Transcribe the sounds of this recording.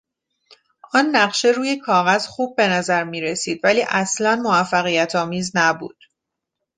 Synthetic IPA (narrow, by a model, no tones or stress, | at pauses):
ʔɒːnːæɢʃe̞ɾuːje̞kʰɒːɣæz̥xuːb̚ːe̞næzæɾmiːɾe̞siːd̪væliːʔæslænmovæfːæɣijæt̪ʰɒːmiːznæbṵːd̪̥